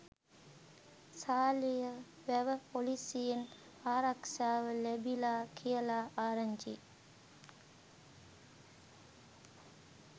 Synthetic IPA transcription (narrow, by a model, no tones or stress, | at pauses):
saːlijɐ | ʋæʋəpolisijen | aːɾɐkʃaːʋəlebilaːkʰijəlaːʔaːɾɐɲd͡ʒḭ